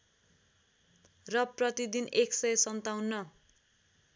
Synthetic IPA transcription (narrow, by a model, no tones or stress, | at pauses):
rʌprʌt̪id̪ineksʌjʌsʌnt̪awnːʌ